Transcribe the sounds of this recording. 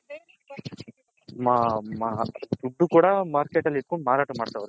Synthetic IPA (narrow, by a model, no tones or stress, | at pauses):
maːmaːd̪uɖːukuːɽɐmaːɾkeːʈɐlːiɾkoɳɖmaːɾaːʈɐmaːɽt̪aːʋɐɾu